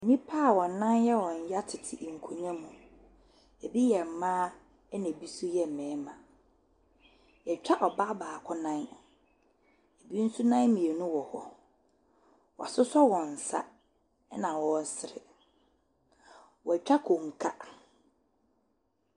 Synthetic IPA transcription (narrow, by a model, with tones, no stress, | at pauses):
nĩ˦pʰaː˦˨wɔ˨nã˦njɛ˦wɔ̃˨ɲ̩˨˦ja˦tʰɪ˨tʰɪ˨ʔŋ̩˨kʰo˨ɲã˦mũ˨ | æ˨bi˦jɛ˨m̩˨mãː˦ | ɛ˦næ̃˨bi˦su˦jɛ˦m̩˨mɛ̃˨˦mã˨ | jɛ˨t͡ɕᶣa˦ʔɔ˨ba˦baː˨kʰʊ˦nã˦n | e˨bi˦n̩˦su˦nã˦n˦mĩ˨e˨nʊ̃˦wɔ˨hɔ̰˦ | wɔ˨a˨sʊ˦sɔ˦wɔ̃˨n̩˨sa̰˦ | nã˨wɔ̃˨n˨sɪ˨ɾɪ̰˨ | wɔ˨t͡ɕᶣa˦kʰo˨ŋ̩˨kʰa˦